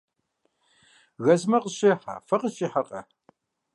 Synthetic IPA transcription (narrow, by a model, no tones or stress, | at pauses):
ɣɐzmɐqʼəɕeːħa̰ːfɐqʼət͡ʃʼiːħɐqʼɐ̰